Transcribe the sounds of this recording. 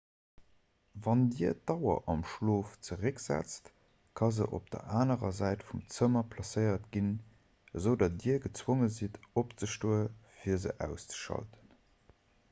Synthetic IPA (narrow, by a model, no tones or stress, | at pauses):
vɑndiɐdɑʊɐ̰ʔɑmʃloːft͡səʁəkzæ̰t͡st | kʰɑzəʔo̰p̚d̥ɐ̰ʔaːnəʁɐzæɪtfumt͡səmɐpʰlɑsəɪɐtɡin | əzəʊdɑt̚diːəɐɡət͡swoŋəzitopt͡səʃtoːəfiːɐzə̰ʔæ̰ʊst͡sə̥ʃɑ̰ltə̥n